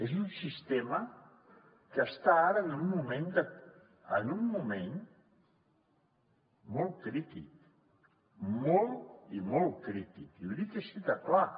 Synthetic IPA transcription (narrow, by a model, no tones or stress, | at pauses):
ezunsist̪emə | kəːst̪aaɾəːnummumẽnd̪ə | ənummumen | mɔlˠkɾit̪ik | mɔlˠt̪imɔlˠkɾit̪ikiuðik̪əʃit̪akla